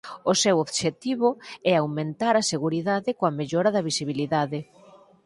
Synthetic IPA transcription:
ʊsewoβʃet̪iβ̞ʊɛawmẽnt̪aɾɐseɣuɾiðaðɪkoɐmeʎɔɾɐðɐβisiβ̞iliðaðɪ

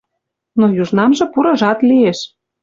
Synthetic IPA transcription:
nojuʒnɑmʒɤ̆puɾɤ̆ʒɑt̪lieʃ

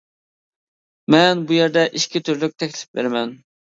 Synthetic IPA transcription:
mɛnbujɛɾd̪ɛʔiʃkʲit̪ʰyɾlyk̚ʲt̪ʰɛkʲlɪ̥p̚bḛɾmɛn

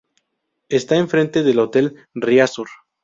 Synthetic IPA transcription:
est̪aeɱfɾe̞nt̪e̞ðe̞lot̪e̞l | riasuɾ

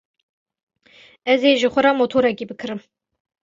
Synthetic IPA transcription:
ɛzeʒɨxʷɔɾɑmot̪ʰoːɾɛkibɨkʰɨɾɨm

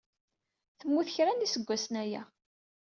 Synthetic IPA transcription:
θəmːuθçɾænisəɡʷːæsnæjæ̰

